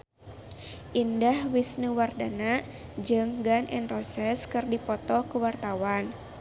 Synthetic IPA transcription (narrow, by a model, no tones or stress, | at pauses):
ʔindahwisnuwardanaʔ | d͡ʒɨŋɡanʔɛ̰nrɔsɛskɨrdipɔt̪ɔkuwart̪awan